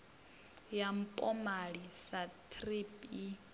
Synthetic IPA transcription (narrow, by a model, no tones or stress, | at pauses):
jam̩pʼɔmaɺisatʰripi